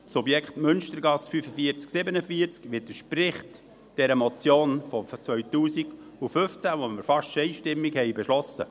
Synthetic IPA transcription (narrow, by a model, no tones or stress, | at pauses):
subjɛkχtmʏnʃtəɾɡɑsfyfəfiəɾt͡sksɪbənəfiəɾt͡skʋɪd̪əʃpɾɪχt | d̥ɛɾəmɔt͡sjoːnfɔt͡sʋœɥtuːsiɡ̥ufʏft͡sæʋoməɾfɑʃt͡ʃɛɪʃtɪmːiɡhɛɪjbɛʃlɔsə̰